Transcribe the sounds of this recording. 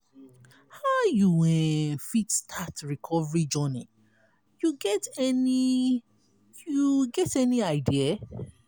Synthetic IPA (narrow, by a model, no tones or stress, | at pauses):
haʊjuwɛfitstʰatɹikʰɔvəɹid͡ʒɔni | juɡɛtɛni | juɡɛtɛniaɪdia